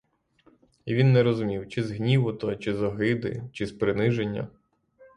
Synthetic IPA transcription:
iʋʲinːɛɾɔzʊmʲiwt͡ʃɪzɦnʲiʋʊt̪ɔt͡ʃɪzɔɦɪd̪ɪ̰t͡ʃɪzpɾɪnɪʒenʲːɐ̰

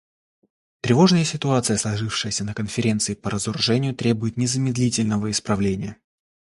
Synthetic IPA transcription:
t̪ɾʲɪvo̞ʐnəjəsʲɪt̪ʊat̪sɨjəslˠɐʐɨfʂɨjəsʲənəkənfʲɪɾʲe̞nt̪sɨɪpəɾəzʊɾʊʐɛnʲɪjʊt̪ɾʲe̞bʊjɪt̪nʲɪzəmʲɪd̪lʲitʲɪlʲnəvəɪspɾɐvlʲenʲɪjə

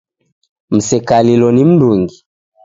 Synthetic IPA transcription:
m̩sɛkalilɔnim̩duŋɡi

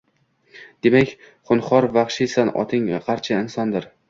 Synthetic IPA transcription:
d̪e̞makʲ | χʊnχɒɾvɑχʃɪjsanɒ̰t̪ʰɪŋqʰɑɾt͡ʃʰaɪnsɒnd̪ɪɾ

